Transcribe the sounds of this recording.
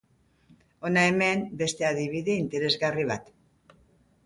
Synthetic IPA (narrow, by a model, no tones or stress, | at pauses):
o̞nae̞me̞mbe̞st̪e̞aðiβiðe̞int̪e̞ɾe̞zɣariβ̞at̪